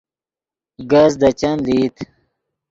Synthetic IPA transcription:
ɡɐzd̪ɐt͡ɕɐnliːt̪ʰ

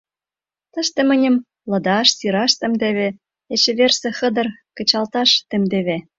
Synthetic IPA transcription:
t̪ə̆ʃt̪ĕmə̆nʲə̆m | lɤ̆d̪ɑʃsiɾɑʃt̪ə̆md̪eβĕ | et͡ɕĕβersĕxə̆d̪ɤ̆rkə̆t͡ɕɑlt̪ɑʃt̪ĕmd̪eβe

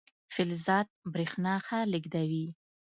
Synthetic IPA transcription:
fɪlzɑd̪̚bɾixnɑxalɪɡd̪awi

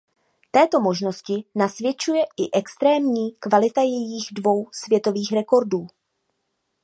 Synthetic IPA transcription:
t̪ɛːt̪o̞mo̞ʒno̞scɪnasvjɛt͡ʃujɛʔɪʔɛkst̪ɾɛːmɲiːkvalɪt̪ajɛjiɣdvo̞wsvjɛt̪o̞viːxɾɛko̞ɾduː

